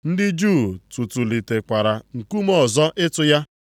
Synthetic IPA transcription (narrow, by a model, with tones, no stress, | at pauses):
n̩˦dɪ˦d͡ʒu˦˨tu˨tu˨li˨te˨kʷa˨ɾa˨ŋ̩˨ku˦mɔ˦˨zɔ˦ʔɪ˦tʊ˦ja˦